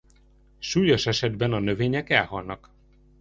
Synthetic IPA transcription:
ʃuːjoʃɛʃɛd̪bɛnɒnø̞veːɲɛkɛlɦɒlnɒk

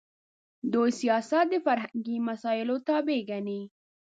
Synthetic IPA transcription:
d̪ojsijɑsat̪̚d̪əfaɾɦaŋɡimasɑɪlot̪abeɡani

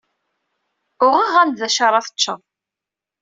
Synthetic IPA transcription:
ʊʁəʁænd̪ðæʃɑɾˤɑθə̥t͡ʃːə̰

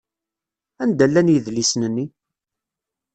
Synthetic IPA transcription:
ænd̪ælːænjəðlisnənːi

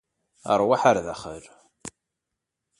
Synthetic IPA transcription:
ə̰ɾˤwaħaɾðæχəɾ

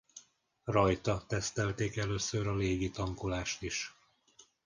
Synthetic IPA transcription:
rɒjt̪ɒt̪ɛst̪ɛlt̪eːkɛløːsøɾɒleːɡit̪ɒŋkolaːʃt̪iʃ

